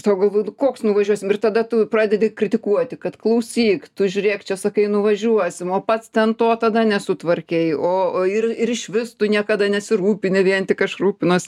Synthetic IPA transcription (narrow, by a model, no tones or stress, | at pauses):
t̪ɐɡɐlˠʋoːnkoːksnʊʋɐʒʲuɔsʲɪmɪrt̪ɐd̪ɐt̪ʊpɾɑːd̪ʲɛd̪ʲɪkɾʲɪt̪ʲɪkuɔt̪ʲɪkɐt̪klˠɐʊsʲiːkt̪ʊʒʲʊɾʲeːkt͡ʃʲɛsɐkɐɪnʊʋɐʒʲuɔsʲɪmoːpɐt̪st̪ʲɛnt̪oːt̪ɐd̪ɐnʲɛsʊt̪ʋɐrʲkʲɛɪoːɪrɪɾɪʃʲʋʲɪst̪ʊnʲiɛkɐd̪ɐnʲɛsʲɪɾuːpʲɪnʲɪʋʲiɛnt̪ʲɪkɐʃruːpʲɪnoːsʲ